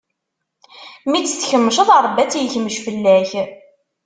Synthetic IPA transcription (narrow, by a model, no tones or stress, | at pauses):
mit͡sːθçəmːəʃəðˤəɾˤbːæt͡sːijəçməʃfəlːæç